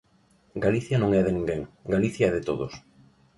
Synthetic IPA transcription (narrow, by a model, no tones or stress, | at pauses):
ɡaliθjɐnõŋɛðɪnĩŋɡeŋɡaliθjaɛðɪt̪o̰ðos